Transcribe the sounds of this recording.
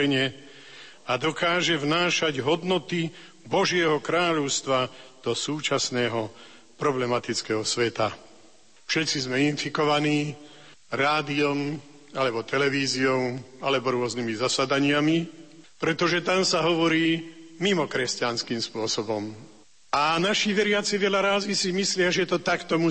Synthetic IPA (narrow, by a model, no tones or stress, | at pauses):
ɲɛ | ad̪ɔkaːʒɛvnaːʃaɟɦɔd̪nɔt̪i | bɔʒɪɛɦɔkɾaːʎɔʊst̪ʋad̪̥ɔsuːt͡ʃasnɛːɦɔ | pɾɔblɛmat̪it͡skɛɦɔsʋɛt̪a | fʃɛt̪t͡sizmɛinfikɔʋaniː | ɾaːd̪iɔm | alɛbɔt̪ɛlɛʋiːziɔalɛbɔɾʊɔznimizasad̪aɲɪamipɾɛt̪ɔʒɛt̪amsaɦɔʋɔɾiːmimɔkɾɛscanskiːmspʊɔsɔbɔm | anaʃiʋɛɾɪat͡siʋɛʎaɾaːzisimislɪaʒɛt̪ɔt̪akt̪ɔmu